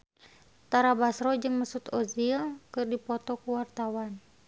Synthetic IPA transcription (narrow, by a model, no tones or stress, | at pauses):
t̪aɾabasɾɔd͡ʒɨŋməsut̪ɔziakɨrdipɔt̪ɔkuwart̪awan